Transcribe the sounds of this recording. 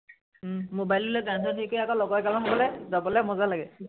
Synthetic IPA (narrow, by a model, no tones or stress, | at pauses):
mobajlilɔɡansɔtʰikojakɔlɔɡɔjkalɔnʰɔbɔlɛzabɔlɛmɔzalaɡɛ